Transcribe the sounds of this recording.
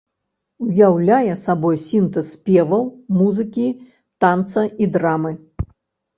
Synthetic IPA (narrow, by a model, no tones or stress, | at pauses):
ujawlʲajɛsabɔjsʲint̪ɐspʲɛvɐwmuzɨkʲi | t̪ant̪sɐid̪ɾamɨ